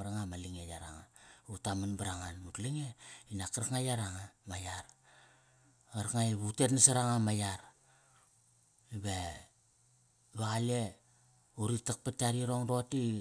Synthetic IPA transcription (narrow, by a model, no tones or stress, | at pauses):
ɾaŋamaliŋejaɾa̰ŋautamanbaɾaŋanutliŋeinakaɾakŋajaɾaŋamajaɾ | aɾakŋajβutetnasaɾaŋamajaɾ | iβe | βaɣale | uɾitak̚pataɾiɾoŋɾo̞ti